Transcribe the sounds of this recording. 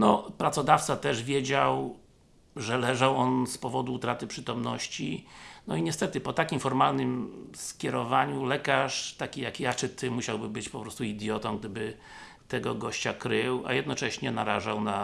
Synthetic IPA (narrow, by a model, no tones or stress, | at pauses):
nɔpɾat̪sɔd̪aft̪sat̪ɛʐvʲjɛd͡ʑaw | ʐɛlɛʐawɔnspɔvɔd̪uːt̪ɾat̪ɘpʂɘt̪ɔmnɔɕt͡ɕinɔiɲɛst̪ɛt̪ɘpɔt̪akʲimfɔɾmalnɘmskʲjɛɾɔvaɲulɛkaʂt̪akʲijakjat͡ʂɘt̪ɘmuɕawbɘbɘt͡ɕpɔpɾɔst̪uid̪ʲjɔt̪ɔmɡ̚d̪ɘbɘ | t̪ɛɡɔɡɔɕt͡ɕakɾɘwa̰jɛd̪nɔt͡ʂɛɕɲɛna̰ɾa̰ʐawna